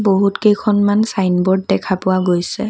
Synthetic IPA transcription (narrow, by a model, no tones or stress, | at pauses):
boɦutkejkʰɔnmansajnbɔɹdːɛkʰapʊwaɡojsɛ